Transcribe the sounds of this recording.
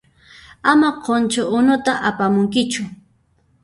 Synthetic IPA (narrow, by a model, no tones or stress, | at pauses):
amaqʰont͡ʃʊʔʊnʊt̪aʔapamʊŋkɪt͡ʃʊ